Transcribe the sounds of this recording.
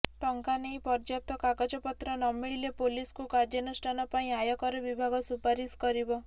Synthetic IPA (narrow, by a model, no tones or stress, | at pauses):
ʈɔŋkaneĩpɔɾd͡ʒjap̚t̪ɔkakad͡ʒɔpɔt̪ɾɔnɔmiɭilepoliskukaɾd͡ʒjɔnusʈʰanɔpaĩajɔkɔɾɔbibʱaɡɔsupaɾiskɔɾibɔ